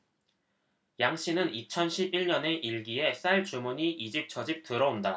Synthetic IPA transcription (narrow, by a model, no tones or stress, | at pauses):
jaŋɕ͈inɯnit͡ɕʰʌnɕʰibiɭɲʌne̞ʔiɭɡie̞s͈aɭt͡ɕumuɲiʔid͡ʑip̚t͡ɕ͈ʰʌd͡ʑik̚t͈ɯɾʌonda